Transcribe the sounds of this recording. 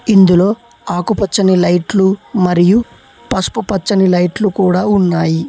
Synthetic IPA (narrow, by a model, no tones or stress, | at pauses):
ind̪ulo̞ː | aːkupɐt͡ʃːɐnilɐjʈlumɐɾiju | pɐspupɐt͡ʃːɐnilɐjʈlukuːɽaːunːaːji